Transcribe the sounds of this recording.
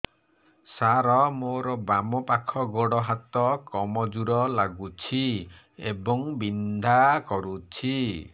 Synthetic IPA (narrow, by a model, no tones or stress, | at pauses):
saɾɔmoɾɔbamɔpakʰɔɡɔɽɔɦat̪ɔkɔmɔd͡ʒuɾɔlaɡut͡ʃʰi | ebɔŋbind̪ʱakɔɾut͡ʃʰi